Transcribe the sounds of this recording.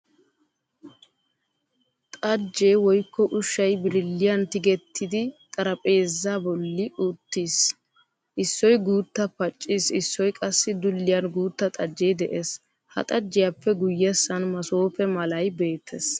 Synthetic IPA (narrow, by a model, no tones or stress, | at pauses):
t̪ʼɐd͡ʒːe̞ːwɔjkːɔʔʊʃːɐjbɪɾɪlːɪjɐnt̪ɪɡɛt̪ʰːɪd̪ɪt̪ʼɐɾɐpʼe̞ːzːaːbɔlːɪʔʊt̪ːis | ʔɪsːɔjɡuːt̪ːɐpɐt͡ʃʼːisɪsːɔjkʼɐsːɪd̪ʊlːɪjɐnɡuːt̪ːɐt̪ʼɐd͡ʒːeːd̪ɛʔes | hɐ̰t̪ʼɐd͡ʒːɪjapːɛɡʊjːɛsːɐnmɐso̞ːpɛmɐlɐjbe̞ːt̪ʰːɛs